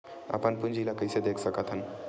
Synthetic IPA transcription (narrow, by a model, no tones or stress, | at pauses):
ə̰pənpund͡ʒʱilakəjsed̪ekʰsəkət̪ʰən